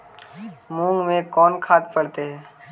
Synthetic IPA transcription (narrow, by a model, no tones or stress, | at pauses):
mũːŋɡmẽkɔːnkʰaːt̪̚pɐɽt̪eɦɛː